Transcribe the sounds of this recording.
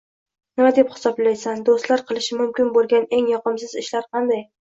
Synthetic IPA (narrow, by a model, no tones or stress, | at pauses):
nɪmad̪e̞phɪ̥sɒblajsand̪ost̪laɾqʰɨlˠɪʃɪmʊmkʲɪnbolˠɡʲane̞ŋjɒqɨmsɪzɪʃlaɾqʰɑnd̪aj